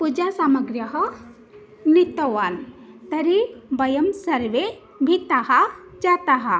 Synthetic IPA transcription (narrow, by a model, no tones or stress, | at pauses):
pud͡ʒasaməɡɾjəɦə | nit̪əwan | t̪əɾibəjəmsəɾʋe | bʱit̪aɦad͡ʒat̪aɦa